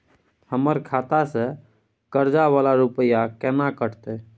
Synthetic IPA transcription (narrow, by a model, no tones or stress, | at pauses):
həməɾkʰat̪asə̃ | kəɾd͡ʒaʋalaɾupəjakɛnakəʈʰt̪ɛ